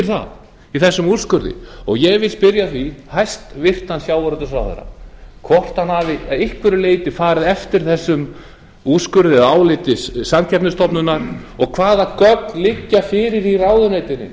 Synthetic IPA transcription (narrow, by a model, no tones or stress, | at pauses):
ɾ̥θa̰ð | iθɛsːʏmu̥skʏɾðɪ̰ɔɣjɛɣvɪlspɪɾjaθvihajst̪vɪr̥t̪hansjaːwvaɾʏnt̪ʏsɾa̰ːwðɛ̰ɾa̰kʰvɔr̥t̪hanhavɪɪhkʰvɪɾʏleːjt̪ɪfaːɾɪðɛft̪ɪɾ̥θɛsːʏm | u̥skʏɾðɪðaːwlɪt̪ɪssamcʰɛpnʏst̪ɔpnʏnːaɾ̥ɔɣkʰvaːðakœknlɪcːafɪːɾɪɾiraːwðʏneːjt̪ɪnːɪ̰